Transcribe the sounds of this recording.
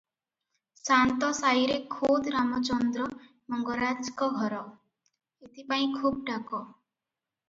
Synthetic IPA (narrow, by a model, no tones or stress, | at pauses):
sant̪ɔsajɾekʰod̪ɾamɔt͡ʃɔnd̪ɾɔ | mɔŋɡɔɾad͡ʒkɔɡʱɔɾɔ | et̪ipaĩkʰub̚ɖakɔ